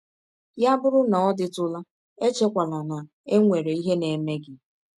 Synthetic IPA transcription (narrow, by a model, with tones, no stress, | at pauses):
ja˦bʊ˦ɾʊ˦nɔ˨ɔ˦dɪ˦tʊ˦la˦ | e˦t͡ʃe˦kʷa˨la˨na˨ | e˦ŋʷe˨ɾe˨i˦ɦe˦ne˨me˦ɡɪ˦